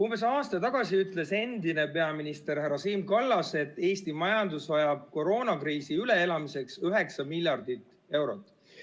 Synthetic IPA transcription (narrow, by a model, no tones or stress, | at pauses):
umb̥e̞s̬ɑːst̪ɑt̪ɑɡ̥ɑsiyt̪ˑle̞se̞nd̪ine̞pe̞ɑminist̪e̞ɾheɾɑsiːmkɑlːɑse̞t̪ːe̞ːst̪imɑjɑnd̪usvɑjɑb̥̚ko̞ɾo̞ːnɑkriːsiyle̞elɑmise̞ksyɦe̞ksɑmilʲjɑrd̪̥it̪ːˑ | e̞wɾo̞t̪ˑː